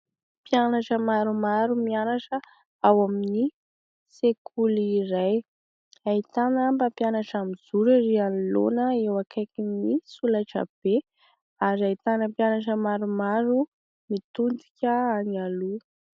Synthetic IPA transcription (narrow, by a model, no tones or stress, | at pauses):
pianaʈ͡ʂəmaɾumaɾumianaʈ͡ʂə | awamini | sekʰuliraj | ait̪anəmbapjanaʈ͡ʂamiz̥uɾiɾianlo̰nəewakʰajkinisulaʈ͡ʂə̰b̥e | aɾiait̪anəpjanaʈ͡ʂəmaɾumaɾu | mit̪und̪i̥kʲəanialu